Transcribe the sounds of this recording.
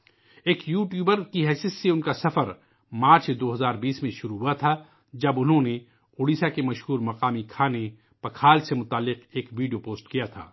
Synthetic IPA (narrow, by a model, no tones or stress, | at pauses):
eːkjuːʈjuːbəɾkiɦɛːsijət̪ːeʊnkasɐfəɾ | maːɾt͡ʃd̪oːɦɐzaːɾbiːsmẽʃʊɾuɦuat̪ʰa | d͡ʒɐbʊnɦõne | ʊːɽiːsakemɐʃhuːɾmɐqaːmikʰaːne | pɐkʰaːlsemʊt̪aːlːɪqeːkʋiːɖijopoːsʈkijat̪ʰa̰ː